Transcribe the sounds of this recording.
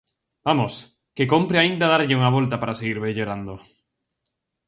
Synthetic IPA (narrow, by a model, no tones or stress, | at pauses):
bamos | kekompɾeaind̪að̞aɾʎɪuŋaβ̞olt̪apaɾaseɣiɾβeʎoɾand̪o